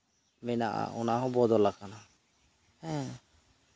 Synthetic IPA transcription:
mɛna̰ʔa̰ɔnaɦɔ̃bɔd̪ɔlakʰana | hɛ̃

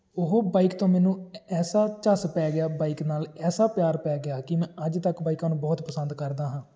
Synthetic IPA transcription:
ʊɦoːbaːikt̪õːmɛːnũːɛːsaːt͡ʃəspɛːɡɪjaːbaːiːknaːlɛːsaːpjaːɾpɛːɡɪaːkɪmɛ̃ːʔəd͡ʒt̪əkbaːikãːnũːbɔːt̪pəsənd̪kəɾd̪aːɦãː

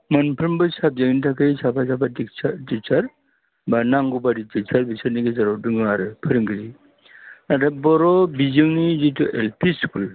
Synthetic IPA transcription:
mɯnpʰɯɾmbɯsap̚zɯŋntʰakʰɯjsapʰasapatitit͡ʃʰaɾ | banaŋɡubaditit͡ʃʰaɾbisʰaɾniɡezaɾɔdɯŋɯaɾɯpʰɯɾɯŋɡiɾi | nadabɔɾɔbizɯŋnizituʔelpʰiskul

